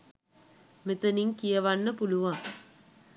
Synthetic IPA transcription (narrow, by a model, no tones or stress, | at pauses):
met̪ɐniŋkijɐʋanːəpuluʋaŋ